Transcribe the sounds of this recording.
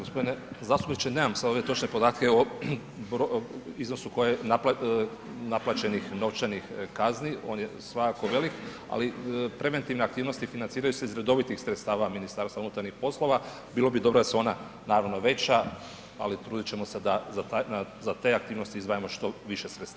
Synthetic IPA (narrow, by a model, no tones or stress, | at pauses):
ɡospo̞d̪inezaːst̪ubnit͡ʃenemamsad̪o̞ʋjet̪o̞t͡ʃne̞po̞d̪aːt̪keo | bɾoizno̞suko̞jenapa | naplˠat͡ʃe̞nixno̞ʋt͡ʃanixkaznio̞ːnjḛsʋakako̞ʋe̞lik | a̰lipɾe̞ʋe̞nt̪iʋneakt̪iːʋnost̪ifinansiːɾajuseizɾe̞d̪o̞ʋit̪ixsɾet̪st̪aːʋaminist̪aːɾsaunut̪aɾnixpo̞slˠo̞ʋa | biːlˠo̞bid̪o̞bɾod̪aseo̞na | naːɾaʋnoʋe̞t͡ʃa | a̰lit̪ɾuːd̪it͡ɕe̞mo̞se̞d̪azat̪aazat̪e̞ak̚t̪iːʋno̞st̪iizʋaːjemo̞ʃt̪o̞ʋiʃesɾet̪saaa